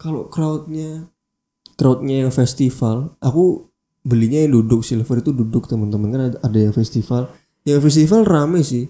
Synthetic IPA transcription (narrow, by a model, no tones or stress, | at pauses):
kalo̰kɾaut̪̚ɲa | kɾaʊt̪̚ɲajaŋfɛst̪ifalʔaku | bəliɲajdudʊk̚silfərit̪ududʊk̚t̪əmənt̪əmənkanaadajaŋfɛst̪ifal | jaŋfɛs̬t̪ifalramajsɪh